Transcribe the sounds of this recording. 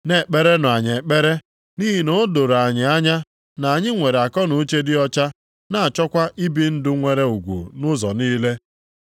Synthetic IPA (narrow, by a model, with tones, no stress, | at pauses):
ne˨k͡pe˦ɾe˦nʊ˨a˨ɲe˨k͡pe˦ɾe˦ | ni˦ɦi˨no˦do˨ɾa˨ɲɪ˨a˦ɲa˦ | na˨a˨ɲɪ˦ŋʷe˨ɾe˨a˨kɔ˦nu˦t͡ʃe˦dɪ˦ɔ˦t͡ʃa˦ | na˨a˨t͡ʃɔ˦kʷa˦ʔi˦bi˦n̩˦dʊ˦ŋʷe˦ɾe˦u˨ɡʷṵ˨nʊ˦zɔ̰˨niː˦le˦